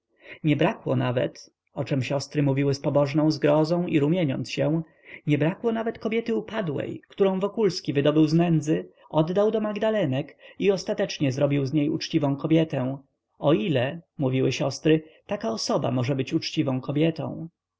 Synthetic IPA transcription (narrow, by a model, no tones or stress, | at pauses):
ɲɛbɾakwɔ̰navɛ̰t̪ | ɔt͡ʂɛmɕɔst̪ɾɘmuvʲiwɘspɔbɔʐnɔ̃w̃zɡɾɔzɔ̃w̃ḭɾumʲjɛɲɔ̰nt̪sɕɛw̃ | ɲɛbɾakwɔnavɛt̪kɔbjɛt̪ɘupad̪wɛ̰jkt̪uɾɔ̃w̃vɔkulskʲivɘd̪ɔbɘwznɛnd̪zɘ | ɔd̪ːawd̪ɔmaɡd̪alɛnɛkiɔst̪at̪ɛt͡ʂɲɛzɾɔbʲiwzɲejut͡ʂt͡ɕivɔ̃w̃kɔbʲjɛt̪ɛw̃ | ɔilɛmuvʲiwɘɕɔst̪ɾɘt̪akaɔsɔba̰mɔʐɛbɘt͡ɕut͡ʂt͡ɕivɔ̃w̃kɔbʲjɛt̪ɔ̰̃w̃